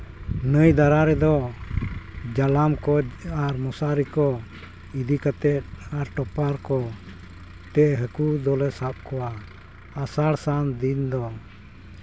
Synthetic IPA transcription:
nəjd̪aɾaɾɛd̪ɔ | d͡ʒalamkɔaɾmɔsaɾikɔ | id̪ikat̪ɛt̪̚aɾʈɔpaɾkɔ | t̪ɛʔɦəkud̪ɔlɛsap̚kɔwaː | saɽsand̪ind̪ɔ

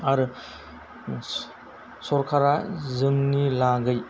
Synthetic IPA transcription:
aɾɯ | sɔɾkʰaɾazɯŋnilaɡɯj

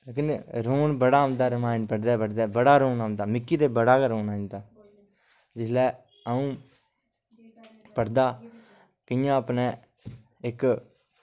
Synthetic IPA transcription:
ekɪnɾoːnbəɽaːəmd̪aːɾɪmaːɪnpəɽd̪ɛːpəɽd̪aːbəɽaːɾoːnamd̪aːmɪkːiːd̪eːbəɽaːkːɾoːnãːd̪aː | d͡ʒɪslɛː | əũː | pəɽd̪aː | kɪjãːəpneː | ɪk

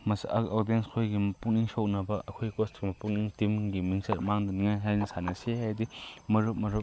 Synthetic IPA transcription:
mɐsodienskʰojɡimɐpuk̚niŋsok̚nɐbɐʔɐkʰojkɔstɡ̥imɐpuk̚niŋtimŋɡimiŋsɐɾmaŋdɐniŋajɦajnisʰanɐseɦajdimɐɾɯp̚mɐɾɯp̚

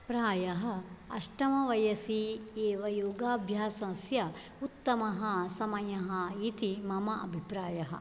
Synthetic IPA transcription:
pɾaːjɐɦɐ̆ɐʃʈɐmɐʋɐjɐsieːʋɐjoːɡaːbʱjaːsɐ̃sjɐ | ut̪ːɐmɐɦɐsɐmɐjɐɦɐit̪imɐmɐʔɐ̰bʱipɾaːjɐɦɐ̰̆

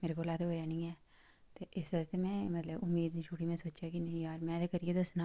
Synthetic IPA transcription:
meːɾekolaːt̪obɐjaːnĩɛː | t̪oʔɪsɐst̪emɛ̃mɐt̪ləbʊmːiːd̪iʃʰuːʈimẽsoːt͡ʃjakinɐĩjaːɾmɛ̃t̪ekɐɾied̪ɐsna

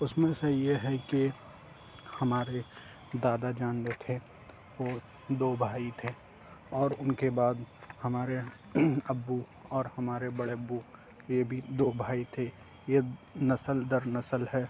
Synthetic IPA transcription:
ʊsmẽsejeɦɛki | hɐmaːɾe | d̪aːd̪ad͡ʒaːnd̪et̪ʰe | ʋoː | d̪oːbʱaːit̪ʰe | ɔːɾʊnkebaːd̪hɐmaːɾe | əbːu | ɔːɾhɐmaːɾebəɽeəbːu | jebʱid̪oːbʱaːit̪ʰe | jenɐsəld̪əɾnəsəlɦɛː

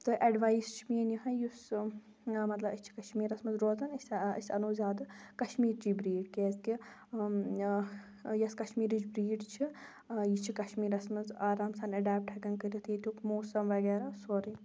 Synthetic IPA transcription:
t̪ɨʔɐɖʋaːist͡ʃʰiminjiɦɐjus | mɐt̪lɐbɐt͡ʃʰi̥kɐʃmiːɾɐsmɐzɾoːzɐnɐsʲɐ̰sʲɐ̰noːzʲaːd̪ɐkɐʃmiːɾd͡ʒiːbɾiːɖkeːzki | jɐskɐʃmiːɾid͡ʒbɾiːɖt͡ʃʰi | jit͡ʃʰikɐʃmiːɾɐsmɐzaːɾaːmsɐnɐɖaːp̚ʈʰɦɐkɐnkɐt̪it̪ʰit̪ʲukmoːsɐmʋɐɡeːɾaːsoɾi

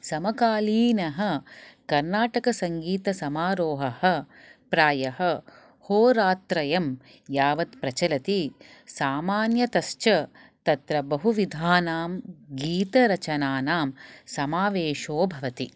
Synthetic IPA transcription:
sɐmɐkaːliːnɐɦɐ̆kɐɾnaːʈɐkɐsɐŋɡiːt̪ɐsɐmaːɾoːɦɐhɐ̆ | pɾaːjɐɦɐ̆ | hoːɾaːt̪ɾɐjɐm | jaːʋɐt̪pɾɐt͡ʃɐlɐt̪i | saːmaːnjɐt̪ɐst͡ʃɐ | t̪ɐt̪ɾɐbɐɦuʋid̪ʱaːnaːmɡiːt̪ɐɾɐt͡ʃɐnaːnaːmsɐmaːʋeːʃoːbʱɐʋɐt̪i

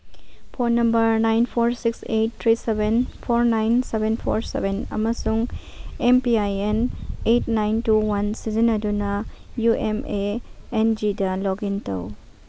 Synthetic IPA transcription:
pʰonɐmbɐɾnajnpʰoɾsikset̚t̪ʰɾisebenpʰoɾnajnsebenpʰo̰ɾsḛbʱenɐ̰mɐsuŋ | empiajenetnajntuwansizinɐdunɐjuemeːnd͡ʒidɐloɡintɐ̰w

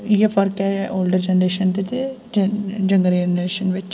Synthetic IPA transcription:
jefɐɾkɛoːlɖəɾd͡ʒɛnɾeːʃənt̪et̪e | d͡ʒɐ̃ŋɡəɾid͡ʒenɾeːʃənʋɪt͡ʃ

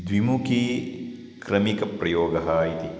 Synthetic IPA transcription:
d̪ʋimuki | kɾɐmikɐpɾɐjoːɡɐɦaːjit̪i

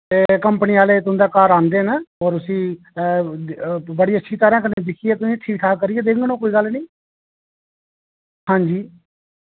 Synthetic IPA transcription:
t̪eːkəmpəniːaːleːt̪ʊ̃nd̪aːkaːɾãːnd̪eːnəɔːɾʊsĩː | bəɽiːətːʃʰiːt̪əɾãːkənːeːd̪ɪkʰieːt̪ʊsĩːɪt̪ʰːiːʈʰaːkəɾiːeːd̪eːkŋɡnõːkoːiːɡəlnĩː | hãːɲd͡ʒiː

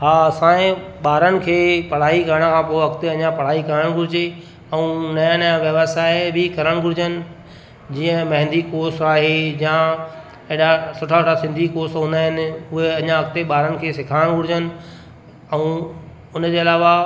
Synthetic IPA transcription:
ɦaːsãːẽ | ɓaːɾənɪ̆kʰeːpɐɽ̤aːikɐɾəɽ̃̆kʰãːpoːʋɐkt̪eɐɲãpɐɽ̤aːikɐɾəəɽ̃ɡʱʊɾɪd͡ʑe | ɛũːnɐjə̃njãʋjɐʋəsaːɪɪbɪkɐɾəɽ̃ɡʱʊɽɪd͡ʑənɪ̆ | d͡ʑiːə̃mɐ̃ɦɪ̃nd̪ikoːsaːɦejã | eɗasʊʈʰasʊʈʰasɪ̃nd̪ʱikoːsɦũːnd̪aːɦɪnɪ̆ʊɦeɐɲãɐkt̪eɓaːɾənɪ̆kʰeːsɪkʰaːɽ̃ɡʱʊɽɪd͡ʑənɪ̆ | ɛũ | ʊnd͡ʑeːɐlaːʋa

